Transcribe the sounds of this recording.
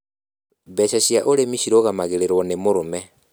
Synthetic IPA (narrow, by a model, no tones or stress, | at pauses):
βɛʃaɕjaʔoɾemiɕiɾoɣamaɣeɾeɾwɔnemoɾomɛ